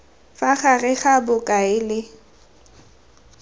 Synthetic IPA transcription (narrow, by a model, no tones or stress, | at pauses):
faχarɛχabʊkʼaɪlɪ